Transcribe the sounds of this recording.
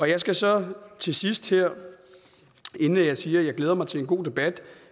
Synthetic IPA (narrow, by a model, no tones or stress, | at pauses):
ɒ̽jɑ̈ɪsɡ̥æsɒ̽t͡sʰe̝sisd̥heɐ̰ | e̝nn̩æjɑ̈ɪsiːɐjɑ̈ɪɡ̥leːɐmɑ̈ɪt͡sʰe̝e̝nɡ̥o̝̰ːd̥e̝b̥æd̥